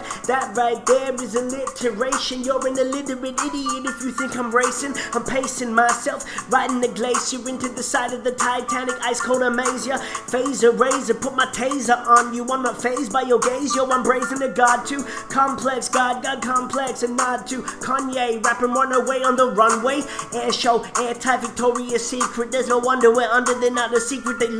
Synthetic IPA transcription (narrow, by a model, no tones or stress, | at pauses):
ðɨt̚ɹaɪt̪̚ðə˞wʌzɨlɪtʰə˞eɪʃɨ̃njəbɨ̃nɨlɪɾə˞ɨɾɪɾiɨɾɨfjɨθɪ̃ŋkãɪ̃mɹeɪsɨ̃nãɪ̃mpʰeɪsɨ̃nmaɪsɛlˠfɹaɪɾ̃n̩ðɨɡleɪsɨɪ̃ntʉðɨsaɪɾʌvðɨtʰaɪtʰænɨkaɪskʰoʊlˠɾəmeɪziəfeɪzəɹeɪzɨ̃pʰʊt̚maɪtʰeɪzʌpn̩jɨwʌ̃nmaɪfeɪzbaɪjə˞ɡeɪzjəwʌ̃nbɹeɪzɨ̃nɨɡɑd̚tʰʉ | kʰɑ̃mpʰl̥ɛksɡ̥ɑd̚ɡɑd̚kʰɑ̃mpʰl̥ɛksɨ̃nmɑd̚tʰʉkʰɑ̃njeɪɹæpə̃wʌ̃nəweɪə̃nðəɹʌ̃nweɪɛɹʃoʊɛɹtʰaɪpvɨk̚tʰɔɹiɨsikʰɹɨt̪̚ðəznoʊwʌ̃ndə˞weɪʌ̃ndə˞ðɨnəɾɨsikɹɨt̪̚ðeɪ